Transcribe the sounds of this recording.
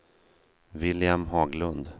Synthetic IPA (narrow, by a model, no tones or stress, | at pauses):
vɪljamɦɑːɡlɵnd̪